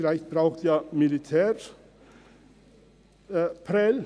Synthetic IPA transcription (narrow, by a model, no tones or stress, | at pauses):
læɪçt̪̚b̥ɾɑʉt̪jɑːmɪlɪt̪ʰæːɾ | pʰɾɛl